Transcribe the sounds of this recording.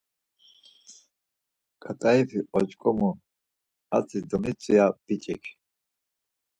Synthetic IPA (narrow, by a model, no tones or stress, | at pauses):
ɡ̥at̪ʼaipʰiɔt͡ʃʼkʼɔmu | a̰t͡sʰʼid̪ɔmit͡sʼiab̥it͡ʃʼɛkʰ